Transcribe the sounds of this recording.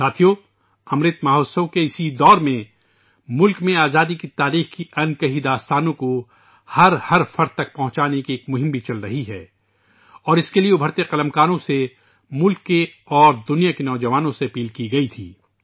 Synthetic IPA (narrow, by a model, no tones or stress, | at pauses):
saːt̪ʰijo | ɐmɾɪt̪maːɦoːsowkeɪsid̪ɔːɾmẽ | mʊlkmẽaːzaːd̪ikit̪aːɾiːxkiʔɐnkɐɦid̪aːst̪aːnõko | hɐɾhɐɾfɐɾt̪̚t̪ːɐk̚pɐɦʊ̃t͡ʃaːnekieːkmʊɦɪ̃mbʱit͡ʃɐlɾɐɦiɦɛː | ɔːɾɪskelieʊbʱəɾt̪eqɐlə̃mkaːɾõse | mʊlkːe | ɔːɾd̪ʊnijakenɔːd͡ʒɐʋaːnõseɐpiːlkiɡɐit̪ʰḭː